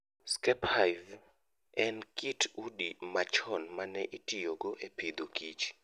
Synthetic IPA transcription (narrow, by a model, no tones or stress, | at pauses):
skɛphav | ɛnkitʰudimat͡ʃɔnmanɛʔitijoɡoʔepid̪okit͡ʃ